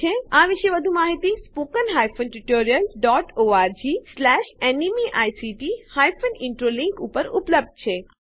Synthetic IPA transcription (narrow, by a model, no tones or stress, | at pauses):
eaʋiʃeʋəd̪ʱũmaɦit̪ispokənɦajfʰonʈuʈoɾijəlɖɔʈoaɾd͡ʒislɛʃenimiʔajsiʈihajfʰonɪɳʈɾoliŋkupəɾṵpləb̚d̪̚t͡ʃʰe